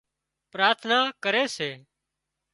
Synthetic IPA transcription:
pɾaːɾt̪ʰnaːkəɾeːseː

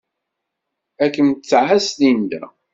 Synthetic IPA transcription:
ækːənt͡sːʕæsθind̪æ̰

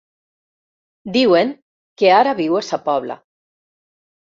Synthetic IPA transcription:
d̪iweŋ | keaɾaβiwesapɔβ̞la̰

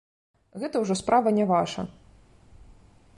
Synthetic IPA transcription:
ɣɛt̪ɐwʐɔspɾʔavɐnʲɛvaʂɐ̰

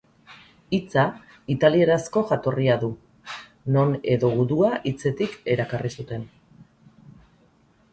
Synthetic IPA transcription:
it͡sa | it̪alie̞ɾasko̞ʝat̪o̞riaðu | no̞ne̞ðo̞ɣuðuaʔit͡se̞t̪ike̞ɾakarisut̪e̞n

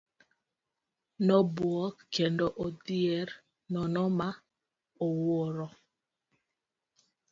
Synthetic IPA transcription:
nɔbwɔkkːendɔʔodiɛɾ | nɔnɔma | owoɾɔ

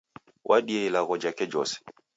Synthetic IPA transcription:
wʔaɗiɛilaɣɔd͡ʒakɛd͡ʒɔsɛ̥

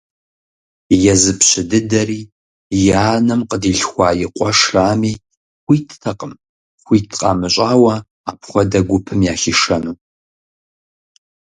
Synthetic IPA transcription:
jɛzɨpʰɕɪdɨdɐriː | jaːnɐmqʼədiːɬxʷɑːjɪqʷʼɔʂraːmiː | χʷiːtʰtʰɐqʼəm | χʷiːtʰqʼa̰ːmɨɕʼaːwɐ | aːpχʷɔdɐɡʷʊpʰɨmjaːxiʂɐnuː

